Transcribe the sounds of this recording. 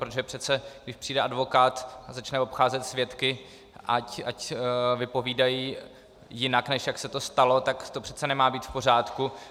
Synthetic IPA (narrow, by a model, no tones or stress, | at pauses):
pɾot̪oʒɛpr̥ɛt̪t͡sɛɡdɪʃpr̥iːdɛʔadvo̞kaːt̪zat͡ʃnɛvo̞pxaːzɛt̪svjɛt̪kɪ | ʔacacvɪpo̞viːdajiː | jɪnaknɛʃjaksɛt̪o̞st̪alo̞t̪akt̪o̞pr̥ɛt͡sɛnɛmaːbiːt̪fpo̞r̝aːt̪ku